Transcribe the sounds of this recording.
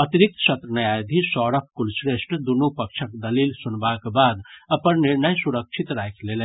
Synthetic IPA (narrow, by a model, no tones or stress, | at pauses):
ət̪iɾik̚t̪sət̪ɾənəjajd̪ʱisɔɾəp̚ʰkulsɾesʈd̪unupək̚t͡ʃʰəkd̪əlilsunbakbad̪əpənniɾnəjsuɾək̚t͡ʃʰit̪ɾajkʰlele